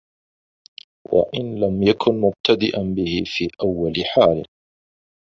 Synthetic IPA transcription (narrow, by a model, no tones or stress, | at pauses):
wa̰ʔɪnlamjakʰʊnmʊb̚t̪ʰad̪ɪʔanbɪhɪfiːʔawːalħaːlɪ̰